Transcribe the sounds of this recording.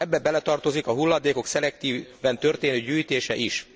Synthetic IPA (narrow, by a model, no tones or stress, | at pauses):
ɛbːɛbɛlɛt̪ɒrt̪o̞zikɒɦulːɒd̪eːko̞ksɛlɛk̚t̪iːvɛnt̪ø̞rt̪eːnøːɟyːjt̪eːʃɛʔiʃ